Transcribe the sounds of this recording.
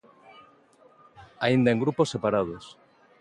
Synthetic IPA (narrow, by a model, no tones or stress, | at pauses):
aind̪aeŋɡɾuposːe̞paɾað̞os